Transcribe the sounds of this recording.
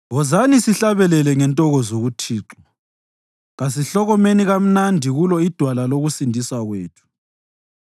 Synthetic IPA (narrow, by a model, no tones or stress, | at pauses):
ɣɔzanisiɬaβɛlɛlɛŋɛntʼɔɣɔzoɣutʰiːǁɔ | ɣas̬iɬɔɣɔmeniɣam̩nandʱiɣulɔid̥ʱwalaloɣusindʱiswaɣweːtʰu̥